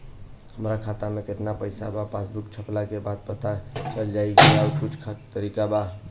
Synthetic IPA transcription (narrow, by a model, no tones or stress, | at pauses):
ɦəmɾakʰat̪ameket̪napəjsabapasbukt͡ʃʰəplakebad̪̚pət̪at͡ʃəld͡ʒajkelauʈʰut͡ʃkʰt̪əɾikaba